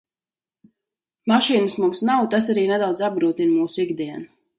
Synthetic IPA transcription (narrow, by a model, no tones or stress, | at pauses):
maʃiːnəsmumsnawt̪as̬aɾiːned̪awd̪zab̚ɡɾuːt̪inmuːsʊiɡd̪iɛnu